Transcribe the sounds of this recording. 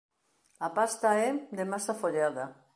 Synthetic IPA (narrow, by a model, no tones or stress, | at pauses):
apast̪aɛd̪emasafoʎaða